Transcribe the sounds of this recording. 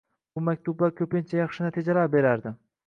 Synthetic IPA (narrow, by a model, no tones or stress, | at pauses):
bʊmak̚ʲt̪ʰubbakʲʰɵpɪnt͡ʃʰajɑχʃɪnat̪ʰid͡ʒalaɾbe̞ɾaɾd̪ɪ